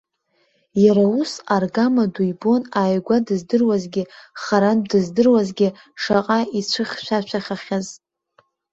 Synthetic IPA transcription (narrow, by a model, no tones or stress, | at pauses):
jaɾausarɡamadujbo̞naːjɡʷadɨzdɨrwazɡʲɪχaɾandɨzdɨrwazɡʲɪ | ʂaqʼait͡ʃʷʰɨχʲʃʷat͡ʃʷʰaχʲaχʲaz